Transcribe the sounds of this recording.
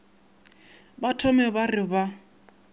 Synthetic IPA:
batʰɔmɛbarɪba

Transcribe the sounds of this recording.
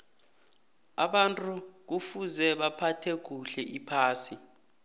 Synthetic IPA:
a̰ɓantʼuk̬ufuzɛɓapʰatʰɛk̬uɬɛʔipʰaːsi

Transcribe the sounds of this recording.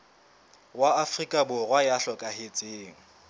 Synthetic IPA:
waafrikʼabʊrwajaɬɔkʼahet͡sʼeːŋ̩

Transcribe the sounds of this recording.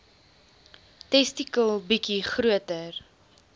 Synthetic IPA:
tɛstikəlˠbikiχɾuətər

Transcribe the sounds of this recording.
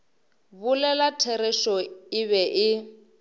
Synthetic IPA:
βʊlɛlatʰɛɾɛʃɔɪβɛʔɪ

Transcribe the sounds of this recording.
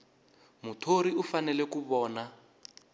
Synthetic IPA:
mutʰoɾiufanɛlɛkuβɔːna

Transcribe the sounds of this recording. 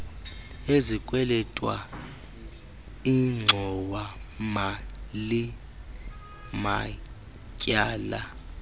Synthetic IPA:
ezikʼwɛlɛtʼwa̰ | iŋ͡ǀʱɔwamali | ma | cʼaːla

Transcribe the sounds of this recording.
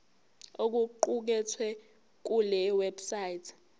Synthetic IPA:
ok̬uǃuk̬ɛtʰwɛ | k̬ulɛwɛbsajitʰ

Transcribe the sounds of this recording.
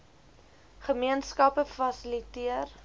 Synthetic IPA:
χəmiənskɐpəfɐsəlitiər

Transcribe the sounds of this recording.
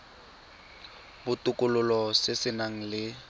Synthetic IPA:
bʊtʼʊkʼʊlʊlɔsɪsɪnaŋ̩lɪ

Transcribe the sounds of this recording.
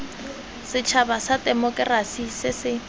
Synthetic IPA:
sɪt͡ʃʰabasadʼɛmɔkʼrasisɪsɪ

